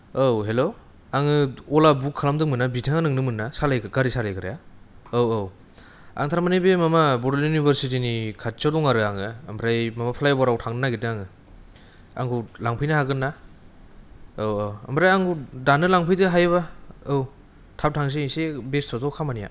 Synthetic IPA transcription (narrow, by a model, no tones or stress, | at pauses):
owɦelo | aŋɯɔlabukʰːalamdɯŋmɯnːabitʰaŋanɯŋnɯmɯnːasalajkɡaɾisalajkʰɯɾa̰jaowow | a̰ŋt̪ʰaɾamanibemamabɔɾeljunibʱaɾsitinikʰat̚t͡ʃadɔŋaɾɯaŋɯambʰɾajmamapʰalajbaɾawtʰaŋnɯnaɡitɯaŋɯ | a̰ŋɡʰulaŋpʰɯjnaɦaɡɯnːa | owowambɾajaŋɡudanɯlaŋpʰɯjdɯɦajɯβaɯw | tʰap̚tʰaŋs̬eisebestʰɔtawkʰamanija̰